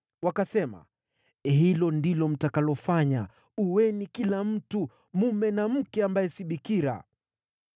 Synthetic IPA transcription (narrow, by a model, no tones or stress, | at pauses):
wakasɛma̰ | ɦilɔndilɔm̩takalɔfaɲa | uwɛnikilam̩tu | mumɛnam̩kɛambajɛsiɓikiɾa̰